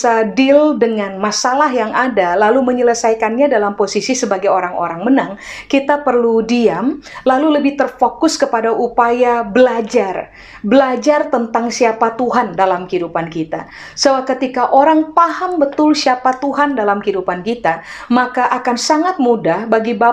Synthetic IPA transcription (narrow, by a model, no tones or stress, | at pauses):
sadɪldəŋanmasalaɦjaŋadalaluməɲələsajkanɲadalamposisisəbaɡajoɾaŋo̰ɾaŋmənaŋ | kit̪apərludiamlaluləbɪht̪ərfokʊskəpadaʔupajabəlad͡ʒar | bəlad͡ʒart̪ənt̪aŋsiapat̪uɦandalamhidupankit̪a̰ | səbap̚kət̪ikaʔoɾaŋpaɦambət̪ʊlsiapat̪uɦandalamkidupankit̪amakaʔakansaŋat̪̚mudahbaɡiba